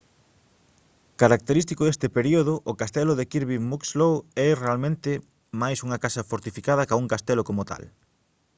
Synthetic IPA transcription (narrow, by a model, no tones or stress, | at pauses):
kaɾak̚t̪eɾist̪ikoðest̪ɪpeɾioðʊʔʊkast̪ɛlʊðekiɾβimukslowɛrealmẽnt̪ɪ | majsuŋɐkasɐfoɾt̪ifikað̞ɐkauŋkast̪ɛlokomot̪a̰l